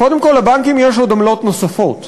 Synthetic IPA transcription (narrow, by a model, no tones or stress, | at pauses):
ko̞d̪emko̞lːabaŋkimjeʃ̬od̪amlo̞t̪nosafo̞t̪